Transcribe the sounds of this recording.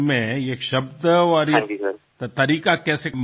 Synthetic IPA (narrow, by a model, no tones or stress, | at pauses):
mẽeːkʃɐbd̪əɔɾĩi | t̪t̪ɐɾiːkakɛːsem